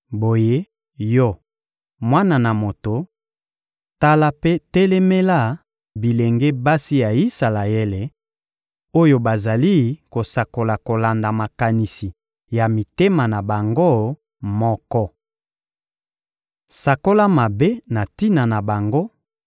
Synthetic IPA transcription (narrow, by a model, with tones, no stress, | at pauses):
bo˨je˦ | jɔ˦ | mwa˦na˨na˨mo˨to˨ | ta˦la˦pe˦tɛ˦lɛ˦me˦la˦˨ | bi˨le˨ŋɡe˦ba˦si˦ja˨i˦sa˨la˨ɛ˦le˨ | o˦jo˦ba˨za˨li˦ko˨sa˨ko˨la˨ko˨la˨nda˨ma˨ka˨ni˨si˨ | ja˨mi˨te˦ma˨na˨ba˨ŋɡo˦˨ | mɔ˦kɔ˦ | sa˨ko˦la˦ma˨be˦na˨ti˦na˨na˨ba˨ŋɡo˦